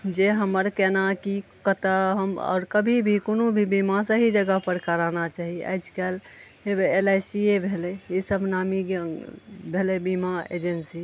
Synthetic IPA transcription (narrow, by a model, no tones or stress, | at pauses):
d͡ʒeɦəməɾkɛnakikət̪aɦəmɔ̰ːɾkəbʱibʱikonobʱibimasə̃ɦid͡ʒəɡapəɾkəɾanat͡ʃaɦia̰ɪd͡ʒkal | ebelajsiebʱeleisəbʱnamiɡ | bʱelebimaḛd͡ʒensi